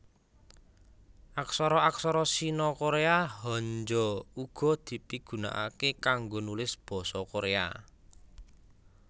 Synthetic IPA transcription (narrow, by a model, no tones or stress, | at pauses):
ʔaksɔɾɔaksɔɾɔsinɔkoɾeaɦɔɲd͡ʒɔuɡ̥ɔ̤d̪̥i̤piɡ̥ṳna̰ʔa̰kekaŋɡonulɪsb̥ɔ̤sɔkoɾea̰